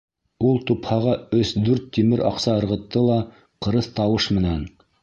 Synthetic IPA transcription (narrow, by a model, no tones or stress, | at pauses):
ulˠt̪uphɑʁɑɵsd̪ʉɾt̪ːimɘɾʔɑ̰qsɑɤ̆ɾʁɤ̆t̪ːɤlˠɑ | qɤ̆ɾɤθt̪ɑwɤʃmɘ̆næn